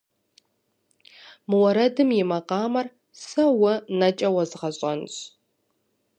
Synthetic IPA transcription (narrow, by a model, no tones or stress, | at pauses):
mɨwɐɾɐdɨmjɪmɐqʼɑːmɐr | sɐwɐnɐt͡ʃʼɐwɐzʁɐɕʼɐnɕʼ